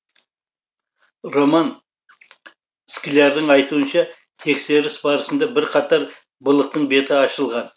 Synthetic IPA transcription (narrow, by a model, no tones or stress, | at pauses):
ro̞mɑn | skʲɪlʲɑɾd̪ɪɴɑjt̪uənʃɑ | t̪ʰe̞kse̞ɾɪsbɑɾəsənd̪ɑbɪɾqʰɑt̪ɑɾ | bʊlˠəq̚t̪əɴbe̞t̪ɪɑʃəlˠʁɑn